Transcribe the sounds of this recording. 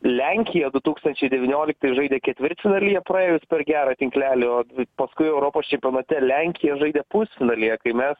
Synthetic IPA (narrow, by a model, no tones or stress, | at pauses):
lʲæŋʲkʲɪjɛd̪ʊt̪uːkst̪ɐnʲt͡ʃʲɛɪd̪ʲɛʋʲɪnʲoːlʲɪk̚t̪ɐɪʒɐɪd̪ʲeːkʲɛt̪ʲʋʲɪɾʲt͡s̪ʲɪnɐlʲɪjɛpɾɐeːjʊspʲɛrɡʲæːɾɑt̪ʲɪŋklʲæːlʲɪoːpɐskʊɪɛʊɾoːpoːst͡ʃʲɛmʲpʲioːnɐt̪ʲɛlʲæŋʲkʲɪjɛʒɐɪd̪ʲeːpʊsʲt͡s̪ʲɪnɐlʲijɛkɐɪmʲɛs